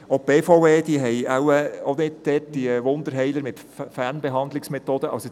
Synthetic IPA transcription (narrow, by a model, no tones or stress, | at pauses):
opeːfoeːd̥iəɦɛjawɛonɪd̚d̥ɛt̚d̥iʋʊnd̪əɾɦɛɪləɾmɪt | fæɾnbeɦɑnd̪lɪksmɛt̪oːd̥əʔɑ̰so